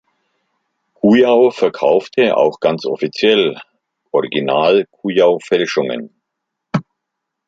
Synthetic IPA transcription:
kʰujaʊfɛɐkʰaʊftʰəʔa̰ʊxɡ̥ant͡sɔ̰fit͡sjɛl | ʔɔʁiɡinaːlkʰuːjaʊfɛlʃʊŋə̰n

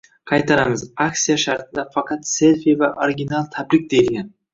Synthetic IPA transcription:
qʰɑjt̪ɑɾɑməzaksʲɨjaʃɑɾt̪əd̪ɑfɑqɑt̪se̞lʲfʲijvaʔoɾɡʲinalˠt̪ʰabɾʲɪk̚d̪ejlɡʲen

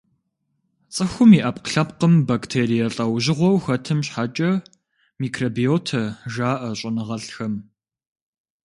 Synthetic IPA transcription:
t͡sʼɨxʷʊmiʔɐpqə̥ɬɐpqəmbaːktʰeːrijɐɬʼɐwʑɪʁʷɔwxɐtʰɨmɕħat͡ʃʼɐ | miːkʰroːbijoːtʰɐʒaːʔɐɕʼʊnɨʁɐɬxɐm

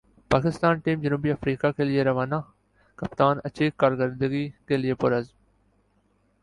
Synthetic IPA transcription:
paːkɪst̪aːnʈiːmd͡ʒənuːbiɐfɾiːkakeːlɪeɾɐʋaːnaː | kɐpt̪aːnɐt͡ʃiːkːaːɾkəɾd̪əɡikeːlijepʊɾɐzm

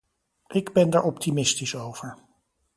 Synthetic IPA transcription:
ʔɪɡbɛndaɹɔptimɪstisowv̥əɹ

